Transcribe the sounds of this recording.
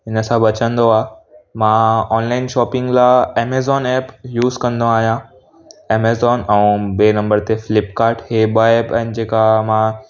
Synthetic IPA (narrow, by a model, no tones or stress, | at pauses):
ɦɪnəsãʋɐt͡ɕə̃nd̪oaːmãɔːnlaːɪnʃɔːpɪ̃ŋɡlaeːmeːzɔːneːpjuːzkɐ̃nd̪õaːɦijã | eːmeːzɔːnɛ̃ːɓeːnɐ̃mbəɾt̪efɪlɪpkaːɾʈheɓəeːpɛ̃ːnd͡ʑeːkamã